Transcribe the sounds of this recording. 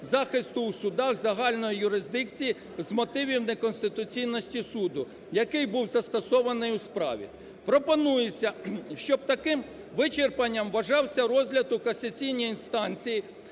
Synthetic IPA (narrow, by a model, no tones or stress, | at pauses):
zɑxɪst̪ʊusʊd̪ɑɣzɐɦɑlʲnɔjijʊɾɪzd̪ɪkt͡sʲiji | zmɔt̪ɪʋʲiwnekɔnsʲt̪ɪt̪ʊt͡sʲijnɔsʲtʲisud̪ʊ | jɐkɪjbuwzɐst̪ɔsɔʋɐnɪjuspɾɑ̰ʋʲḭ | pɾɔpɔnujesʲɐʃt͡ʃɔb̚t̪ɐkɪm | ʋɪt͡ʃerpɐnʲːɐmʋɐʒɑwsʲɐɾɔzʲɦlʲɐd̪ʊkɐsʲɐt͡sʲijnʲijinst̪ɑnʲt͡sʲiji